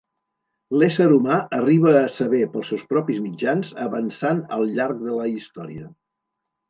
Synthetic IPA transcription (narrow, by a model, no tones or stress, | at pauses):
lesəɾumaəriβ̞əːsəβepəlˠsɛwspɾɔpizmid͡ʒanzə̰βənsanə̰lˠʎaɾk̚ðələist̪ɔɾḭə